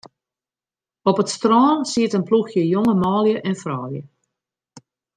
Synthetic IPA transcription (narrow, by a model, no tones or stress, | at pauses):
ɔpətstrɔːnsiətənpluxjəjoŋəmɔːljəʔɛnfrɔ̰ːljə̰